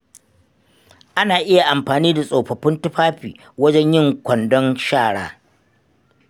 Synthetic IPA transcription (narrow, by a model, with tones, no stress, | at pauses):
ʔa˦naː˨ʔɪ˦ja˨ʔa˨mɸaː˨niː˦da˨sʼoː˨ɸɐ˨ɸɪ˦ntʊ˦ɸaː˦ɸḭː˨ | wɐ˦d͡ʒɛ˦ɲjɪ˦ŋkʷɐ˨ndɔ˦nʃaː˦˨ɽaː˦